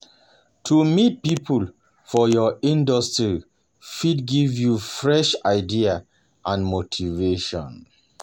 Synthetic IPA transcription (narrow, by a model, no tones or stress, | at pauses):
tʰumit̚pipʰul | fɔjɔĩndɔstɹi | fidɡivjufɹɛʃaɪdia | ʔãnmotʰiveʃɔ̰̃n